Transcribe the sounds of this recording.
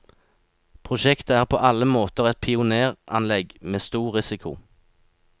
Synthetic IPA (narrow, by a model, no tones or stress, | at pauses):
pʰʁʊʃɛkt̪əæːʁpʰo̰ːʔɑləmoːt̪əʁɛt̪̚pʰɪʊneːʁʔɑnlɛɡmeːst̪uːʁɪsɪkʰʊ̰